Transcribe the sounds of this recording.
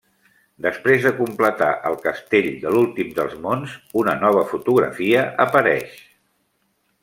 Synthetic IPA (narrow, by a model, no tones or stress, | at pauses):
d̪əspɾezðəkumplət̪a̰ʔəlˠkəst̪eʎd̪əlulˠt̪imd̪əlˠzmonzunənɔβ̞əfut̪uɣɾə̰fiəʔəpəɾɛʃ